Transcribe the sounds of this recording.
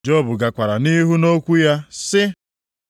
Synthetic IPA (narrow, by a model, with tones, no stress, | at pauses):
d͡ʒɔ˦˨bʊ˨ɡa˨kʷa˨ɾa˨ni˦ɦu˦no˦kʷu˦ja˦sɪ˦